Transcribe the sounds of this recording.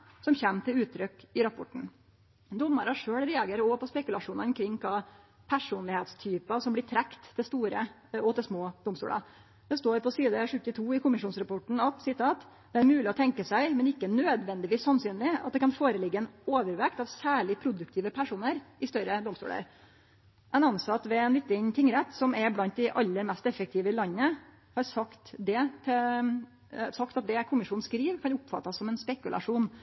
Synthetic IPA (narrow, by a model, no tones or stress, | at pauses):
sɔmçɛːmt̪ɪlʉːt̪ʰːɾʏkɪɾɑpʰɔʈɳ̩ | d̪ɔmːəɾɑʂøːɽɾɛɑɡeːɾɔpɔspɛkʉlɑʂuːnɑɔmkʰɾɪŋːkʰɑː | pʰæʂuːnlɪheːt̪st̪ʰyːpɑsɔmblɪʈ̪ʰɾækt̪ːɪlst̪uːɾə | ɔt̪ɪlsmoːd̪ʊmst̪ṵːlɑ̰ | d̪̥ɛst̪oːɾpɔsiːd̪əʂʉt̪ːɪt̪ʰuːɪkʰʊmɪʂuːnsɾɑpʰɔʈɳ̩ɑt̪sɪt̪ʰɑːt̪ | d̪̥ɛæɾmʉːlɪɔt̪ʰɛŋkəsæɪmɛnɪkːənøːd̪ʋɛnd̪ɪʋiːssɑnsyːnlɪɑ̰t̪̚d̪ɛkɑnfoːɾəlɪɡːəɛnoːʋəɾʋɛkt̪ɑʋsæːɭɪpʰɾʊd̪ʉk̚t̪ʰiːʋəpʰæʂuːnəɾʔɪst̪œɾəd̪ɔmst̪ṵːlə̰ɾ | ʔɛnɑnsɑt̪ʋɛɛnʋɪt̪ːɪnt̪ʰɪŋːɾɛt̪ːsɔmɛɾblɑnt̪̚d̪ɪʔɑlːəɾmɛst̪ɛfːək̚t̪ʰɪːʋəlɑnːə | hɑɾsɑkt̪d̪ɛt̪ʰɛ | sɑkt̪ɑt̪̚d̪ɛkʰʊmɪʂuːn̩skɾiːʋkʰɑnʊpfɑ̰t̪ːɑsːɔmɛnspɛkʉlɑ̰ʂuːn